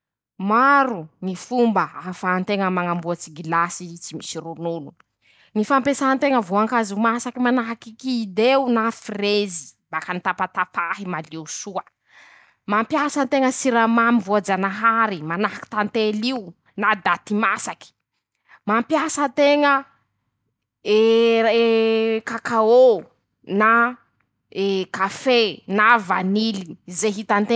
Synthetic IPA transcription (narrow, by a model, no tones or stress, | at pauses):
maɾunifumbəafant̪eŋəmaŋambuat͡siɡilasit͡simisiɾunulu | nifampesaant̪eŋəvoaŋkazumasakimanaɦakikiːd̪eunafirezi̥bakanit̪apat̪afaɦimaliusuə | mampjasənt̪eŋəsiɾamamivoad͡zanaɦaɾimanaɦaki̥t̪ant̪eliu | nad̪at̪imasaki̥ | mampjasənt̪eŋə | e | kakao | na | ekafenavanilizeɦit̪ant̪e